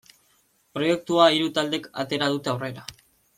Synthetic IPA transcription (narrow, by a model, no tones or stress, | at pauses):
pɾo̞je̞k̚t̪uaiɾut̪ald̪e̞ka̰t̪e̞ɾað̞ut̪e̞awre̞ɾa